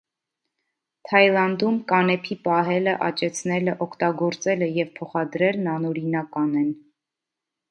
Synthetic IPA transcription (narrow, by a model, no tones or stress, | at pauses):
t̪ʰɑjlɑnd̪umkɑnɛpʰipɑɦɛləʔɑ̰t͡ʃɛt͡sʰnɛləʔɔkʰt̪ɑɡɔɾt͡sɛləjɛvpʰɔχɑd̪ɾɛlnɑnɔɾinɑkɑnɛn